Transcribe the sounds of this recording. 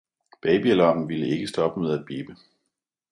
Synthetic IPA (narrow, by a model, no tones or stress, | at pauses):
b̥ɛɪb̥iælɒŋ̰n̩ʋiləe̝ɡ̥əsd̥ɒ̽b̥əmeð̞ˠæd̥̚b̥eːb̥ə